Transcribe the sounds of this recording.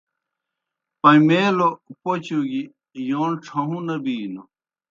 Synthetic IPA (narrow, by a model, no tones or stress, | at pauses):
pɐmeːlopot͡ɕuɡi | joːnʈ͡ʂʰɐɦũnɐbiːno